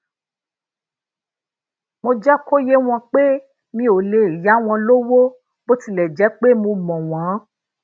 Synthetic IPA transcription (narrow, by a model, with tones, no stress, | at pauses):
mo˧d͡ʒɛ˦ko˦je˦w̃ɔ̃˧k͡pe˦ | mĩ˦o˨le˨i˨ja˨˦w̃ɔ̃˧lo˦wo˦ | bo˦ti˧˨lɛ˨d͡ʒɛ˨˦k͡pe˦mõ˧mɔ̃˨w̃ã˨˦